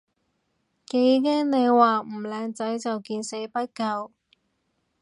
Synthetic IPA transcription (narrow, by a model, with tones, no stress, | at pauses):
ke˨˥jkɛː˥ŋne˨˧jwaː˨˩m̩˨˩lɛː˨˧ŋt͡sɐ˨˥jt͡sɐ˨wkiː˧nse˨˥jpɐ˥t̚kɐ˧w